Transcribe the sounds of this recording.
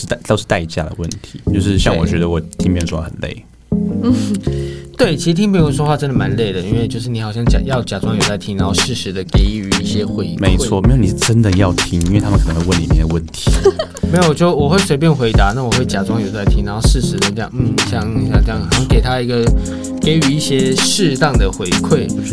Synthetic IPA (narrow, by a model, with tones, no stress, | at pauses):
t̪a˥t̪o˥ʂɻ̩˥˩t̪a˥˧ɪt͡ɕja̰˥˩d̪ə̰˩wə˥˩nt̪ʰi˧˦t͡ɕjo˥˧ʊʂɻ̩˥˧ɕjɑ˥˩ŋwɔ˨˩t͡ɕɥɛ˧˥d̪ə˧wɔ˨˩t̪ʰi˥ŋmpjɛ˥˧nʈ͡ʂwə˨˩nlḛ˥˩ɪ˥˩ | t̪we˥˩ɪt͡ɕʰi˧˥ɻ̩ʰ˧i˥ŋpi˥˧˩o˥˩ʂ̬wɔ˥xwa˥˩ʈ͡ʂə˥nd̪ə˨˩ma˧˦nle˥˩ɪd̪ə˩i˥nwe˥˧ɪt͡ɕjo˥˧ʊʂ̬ɻ̩˥˩i˧˥xɑ˨ʊɕjɑ˥˩ŋt͡ɕja̰˨˩jɑ˥˩ʊt͡ɕja˨˩ʈ͡ʂwɑ˥ŋjʊt͡sa˥˩ɪt̪ʰi˥ŋna˧˥ŋxo˥˧ʊʂɻ̩˥˩ʂɻ̩˧˥d̪ə˧ke˧˥ɪ˧y˧˥˦i˥˩ɕjɛ˥xwe˥˧˩me˧˥ɪt͡sʰwɔ˥˨me˧˥jni˨˩ʂ̩˥˩ʈ͡ʂə˦˥nd̪ə˨jɑ˥˩ʊt̪ʰi˥ŋi˥nwe˥˩ɪt̪ʰm˨kʰn˧˦xwe˥˧wə˥˩nli˨˩mjɛ̰˥nd̪ə˧wə˥˩nt̪ʰi̥˨˧˦me˧˥jo˨˩ɔ˨˩t͡ɕjo˥˩wɔ˨˩xwe˥˩ɪswe˥ɪp̬jɛ˥˩nxwe˧˥ɪt̪a˧˦na˥˩wɔ˨˩xwe˥˩ɪt͡ɕja˨˩ʈ͡ʂwɑ˥ŋjo˨˩ʊt͡sa˥˩ɪt̪ʰi˥ŋna˧˦˥xo˥˧ʂɻ̩˥˩ʂɻ̩˧˥d̪ə˧ʈ͡ʂjɑ̰˥˩ŋn̩˥˩ɕjɑ˥˩ŋɕjɑ˥˩ʈ͡ʂjɑ˥˩ŋ˨˩jɑ˥˩ŋke˨˩ɪt̪ʰa˥i˧˥ɡə˧ | ke˧˥ɪy˨˩i˥˩ɕjɛ˦˥ʂɻ̩˥˧t̪ɑ˥˩ŋd̪ə˩xwe˧˥ɪkʰwe˥˩ɪ